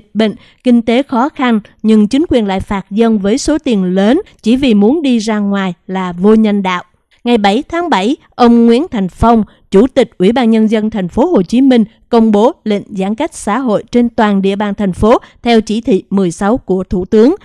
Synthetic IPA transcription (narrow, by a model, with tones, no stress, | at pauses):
t̚ɓḭ˧˨ŋ̟ | kï˧ŋ̟t̪e˨˦xɔ˨˦xa˧nɲɨ˧ŋt͡ɕï˨˦ŋ̟kwi˨˩ənla̰ː˧˨jfaː˨˩t̚zə˧nvəː˨˦jso˨˦t̪i˨˩ənləː˨˦nt͡ɕi˧˩vi˨˩mu˨˦ənɗi˧zaː˧ŋwaː˨˩jlaː˨˩vo˧ɲə˧nɗa̰ː˧˨wʔ | ŋa˨˩jɓa˧˩jt̪ʰaː˨˦ŋɓa˧˩j | ʔə˧wŋ͡mŋwḭ˧˥ənt̪ʰa˨˩jŋ̟fə˧wŋ͡m | t͡ɕu˧˩t̪ï˨˩k̟̚ʔwi˧˩ɓaː˧nɲə˧nzə˧nt̪ʰɛ˨˩jŋ̟fo˨˦ho˨˩t͡ɕi˨˦mï˧ŋ̟ | kə˧wŋ͡mɓo˨˦lḭ˧˨ŋ̟zaː˨˦nka˦˥jk̟̚sa̰ː˧˥ɦo̰˧˨jt͡ɕe˧nt̪waː˨˩nɗḭ˧˨əɓaː˨˩nt̪ʰɛ˨˩jŋ̟fo˨˦t̪ʰɛ˧wt͡ɕi˧˩t̪ʰḭ˧˨mɨ˨˩əjsa˨˦wku˧˩ət̪ʰu˧˩t̪ɨ˨˦əŋ